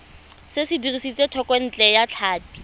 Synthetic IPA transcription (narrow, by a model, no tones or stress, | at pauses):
sɪsɪdirisit͡sʼetʰɔkʼwen̩t͡ɬʼɛjat͡ɬʰaːti̥